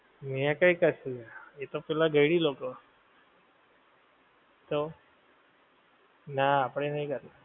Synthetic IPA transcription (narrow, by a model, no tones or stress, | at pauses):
mijãkaikəsuɡaet̪opɛlaɡʱəjɽiːlokə | t̪o | naːpɽ̃enaikəɾna